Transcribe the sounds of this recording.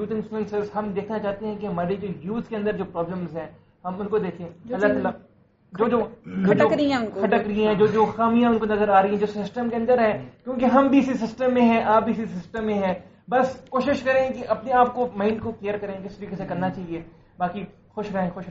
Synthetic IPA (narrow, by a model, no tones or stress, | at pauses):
juːt̪ɪ̃nsə̃nsəɾsɦɐmd̪eːkʰnat͡ʃaːɦt̪eɦɛ̃kemɐɾed͡ʒojuːzkeɐ̃nd̪əɾd͡ʒoːpɾɔːbləmzɦɛ̃ː | ɦɐmʊnkod̪eːkʰẽɐlːat̪aːla | d͡ʒoːd͡ʒoːoːd͡ʒokɾĩʊnkokʰɐʈəkɾĩɦɛ̃d͡ʒoːd͡ʒoːxaːmijãʊnkonɐzəɾaːɾɐiɦɛ̃d͡ʒoːsɪsʈəmkeɐ̃nd̪əɾɦɛ̃ːkjõːkeɦɐmbʱiɪsisɪsʈəmːẽɦɛ̃ʔaːp̚biːɪsisɪsʈəmːẽɦɛ̃ː | bɐskoːʃɪʃkɐɾẽkeʔɐpneaːp̚komãːɪɳɖkokleːəɾkɐɾẽkɪst̪ɐɾiːkesekɐɾnat͡ʃaːɦie | baːki | xʊʃɾɐɦẽxʊʃ